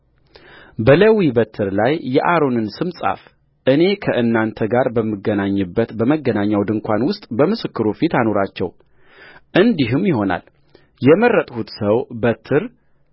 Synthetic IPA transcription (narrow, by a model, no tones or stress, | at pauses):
bələwibət̪ʰːɨɾlajːɛʔaɾo̞nɨnsɨmsʼa̰f | ʔɨne̞kʰəʔɨnːant̪ʰəɡaɾbəmːɨɡənaɲːɨbːət̪bəməɡənaɲːawd̪ɨŋkʷʰanwʊst̪ʼbəmɨsɨkːɨɾufit̪ano̞ɾat͡ʃːɛ̰w | ʔɨnd̪iɦɨmjɪho̞na̰l | jɛmərːət̪ʼhut̪səwbət̪ʰːɨɾ